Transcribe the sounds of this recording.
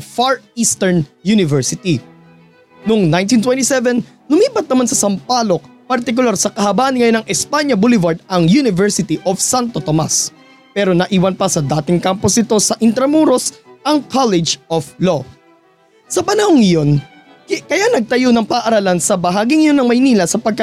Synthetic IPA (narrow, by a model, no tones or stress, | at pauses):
faɹist̪ɛɹnjunɪvɛɹsɪt̪i | noŋnajnt̪int̪wɛnt̪isɛvɛnː | ʊmiːpɐt̪̚nɐmansɐsɐmpaːlo̞k̚pɐɾt̪ɪk̬ʊlaɾsɐkɐhɐbaːʔnŋɐjonːɐŋʔɛspaɲɐbulɪvaɹd̪̚ɐŋjunɪvɛɹsɪt̪iʔofsant̪ot̪oma̰s | pɛːɾo̞nɐʔiːwɐnpɐsɐd̪aːt̪ɪŋkamposnɪt̪o̞sɐʔɪnt̪ɾɐmuːɾosʔɐŋkʰalɛd͡ʒʔoflo | sɐpɐnɐhoŋːɐjo̞n | kɐjanɐɡ̚t̪ɐjonɐŋpɐʔʔɐɾalansɐbɐɦaːɡiŋɐjo̞nːɐŋmɐjniːlɐsɐpɐɡ̚kɐ